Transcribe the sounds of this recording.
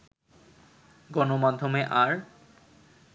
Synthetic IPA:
ɡɔnomad̪ʱːomeʔaɾ

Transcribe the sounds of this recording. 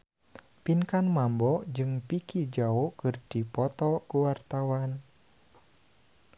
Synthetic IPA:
pinkanmambɔʔd͡ʒɨŋpikid͡ʒaokɨrd̥ipɔt̪ɔkuwart̪awan

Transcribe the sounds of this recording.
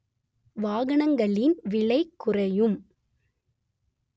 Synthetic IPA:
ʋaːɣɐɳɐŋɡɐɭɪnʋɪɭɐɪkːʊrɐjɯm

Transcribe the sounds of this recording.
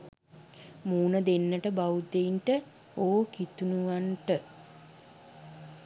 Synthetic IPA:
muːnəd̪enːəʈəbawud̪einʈə | oːkit̪unuʋanʈə

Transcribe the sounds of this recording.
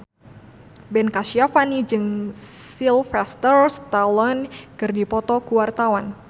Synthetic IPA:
bɛnkaʃiafanid͡ʒɨŋsilfɛst̪ərst̪alɔnkɨrdipɔt̪ɔkuwart̪awan

